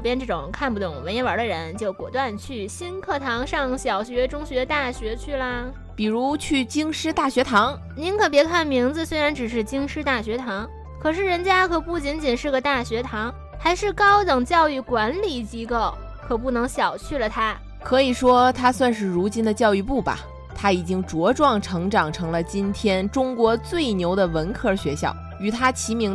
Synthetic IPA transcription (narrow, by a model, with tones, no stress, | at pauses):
ʊpjɛ˥nʈ͡ʂɤ˥˩ʈ͡ʂʊ˨˩˦ŋkʰa˥˩npu˩t̪ʊ˨˩˦ŋwɪjɛ˧˥nwə˞˧˥d̪ə˧ɻə˧˥nt͡ɕjo˥˩ʊkwɔ̰˨˩t̪wa˥˧nt͡ɕʰy˥˩ɕi˥nkʰɤ˥˩t̪ʰɑ˧˥ŋʂɑ˥˩ŋɕjɑ˨˩ʊɕɥɛ˧˥ʈ͡ʂʊ˥ŋɕɥɛ˧˥t̪a˥˩ɕɥɛ˧˥t͡ɕʰy˥˩lə˨˩ | pi˨˩ɻu˧˥t͡ɕʰy˥˩t͡ɕi˥ŋʂɻ̩˥t̪a˥˩ɕɥɛ˧˥t̪ʰɑ˧˥ŋ | ni˧˥nkʰɤ˨˩pjɛ˧˥kʰa˥˩nmi˧˥ŋd͡zɹ̩˧swe˥ɪɻa˧˥nʈ͡ʂɻ̩˨˩ʂ̬ɻ̩˥˩t͡ɕi˥ŋʂɻ̩˥t̪a˥˩ɕɥɛ˧˥t̪ʰɑ˧˥ŋ | kʰɤ˨˩ʂ̬ɻ̩˥˩ɻə˧˥nt͡ɕja˥kʰɤ˨˩pu˥˩t͡ɕi˧˥nt͡ɕi˨˩nʂɻ̩˥˩ɡə˩t̪a˥˩ɕɥɛ˧˥t̪ʰɑ˧˥ŋ | xa˧˥ɪʂɻ̩˥˩kɑ˥ʊt̪ɤ˨˩ŋt͡ɕjɑ˥˧ʊy˥˩kwa˧˥nli˨˩t͡ɕi˧˥ko˥˩ʊ | kʰɤ˨˩p̬u˥˩nɤ˧˥ŋɕjɑ˨˩ʊt͡ɕʰy˥˩lə˩t̪ʰa˥ | kʰɤ˧˥i˨˩ʂwɔ˥t̪ʰa˥swa˥˧nʂɻ̩˥˩ɻu˧˥t͡ɕi˥nd̪ə˨t͡ɕjɑ˥˧ʊy˥˧pu˥˩bɐ̰˩ | t̪ʰa˥i˨˩t͡ɕi˥ŋʈ͡ʂwɔ˧˥ʈ͡ʂwɑ˥˩ŋʈ͡ʂʰɤ˧˥ŋʈ͡ʂɑ˨˩ŋʈ͡ʂʰɤ˧˥ŋlə˧t͡ɕi˥nt̪ʰjɛ˥nʈ͡ʂʊ˥ŋkwɔ˧˥t͡swe˥˩ɪnjo˧˥ʊd̪ə˧wə˧˥nkʰɤ˥˧ɕɥɛ˧˥ɕjɑ̰˥˩ʊ | y˨˩t̪ʰa˥t͡ɕʰi˧˥mi˧˥ŋ